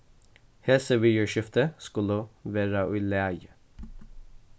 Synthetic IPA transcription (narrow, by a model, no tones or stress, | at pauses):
hɛsəʋyjəʃɪft̪əskʉləʋeːɾɑʔʉlæj